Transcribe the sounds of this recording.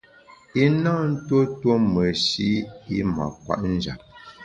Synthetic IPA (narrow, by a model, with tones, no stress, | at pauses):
i˦na˦n̩˦two˦two˦mə˨ʃi˦i˦ma̰˨kwa̰˦˨ʔn̩˦˨d͡ʒa̰˨p̚